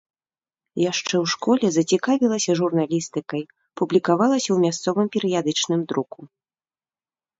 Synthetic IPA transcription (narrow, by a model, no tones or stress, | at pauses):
jaʂt͡ʂɛwʂkɔlʲɛzɐt͡sʲikavʲilˠɐsʲɐʐurn̪alʲist̪ɨkɐj | publʲikavalˠɐsʲɐwmʲast̪sɔvɨmpʲɛɾɨjad̪ɨt͡ʂnɨmd̪ɾuku